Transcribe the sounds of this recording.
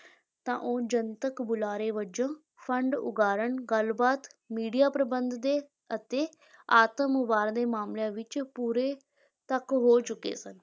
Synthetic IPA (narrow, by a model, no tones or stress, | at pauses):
t̪ã̰ːʔoːd͡ʒənt̪əkbʊlaːɾeːʋəd͡ʒãː | pʰəɳɖʊ̰ɡaːɾəɳɡəlbaːt̪miːɖijaːpɾəbənd̪d̪eː | ət̪eː | aːt̪əmʊbaːɾd̪eːmaːmljãːʋɪt͡ʃpuːɾeː | t̪əkɦoːt͡ʃʊkḛːsən